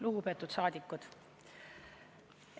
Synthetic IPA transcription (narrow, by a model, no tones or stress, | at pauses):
luɡupe̞ːt̪ːˑut̪sɑːd̪̥ikːˑud̪̥